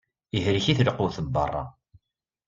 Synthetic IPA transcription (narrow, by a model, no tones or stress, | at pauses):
ihɾiçiθləqːʊθəbːə̰rˤːɑ̰